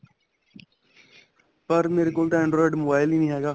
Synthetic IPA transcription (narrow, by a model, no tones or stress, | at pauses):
pəɾmeːɾekoːlʈ̪ãːɪ̃ɳɖɾɔːɪɖmobaːɪlĩnĩɦeːɡaː